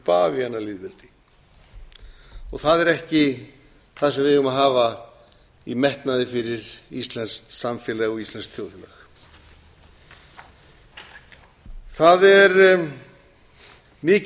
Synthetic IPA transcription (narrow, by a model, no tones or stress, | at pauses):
paːvianːalɪðvɪlt̪i̥ | ɔɣθaðɛɾɛhcɪ | θaðsɛmvɪðʏmaɦaːva | imɛht̪naðɪfɪɾɪɾist̪lɛnst̪samfjɛlɛːɣɔɣislɛnskt̪ʰjoːw̪lœ̰x | θaðɛɾ | mɪːc